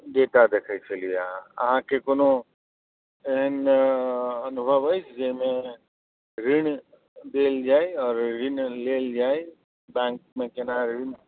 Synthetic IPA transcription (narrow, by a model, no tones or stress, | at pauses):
d̪eːt̪ad̪eːkʰəjt͡ʃʰelijaɐ̰ɦãkekoːnõ | eɦən | ɐnʊbʱəʋɦəjt͡ʃʰd͡ʒemẽ | ɾɪɳ | d̪eːld͡ʒaːiɔːɾɾɪnleːld͡ʒaːe | bɛ̃ːŋk̚mẽkenaɾɾɪn